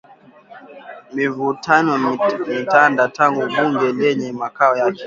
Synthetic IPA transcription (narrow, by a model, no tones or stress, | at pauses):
mivutanɔmitandataŋɡuɓuŋɡɛlɛɲɛmakaɔjakɛ̥